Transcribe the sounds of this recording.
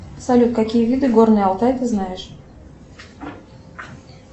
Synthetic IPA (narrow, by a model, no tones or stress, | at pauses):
sɐlʲut̪̚kɐkʲijəvʲid̪ɨɡornɨjəɐlˠt̪ajt̪ɨznajɪʂ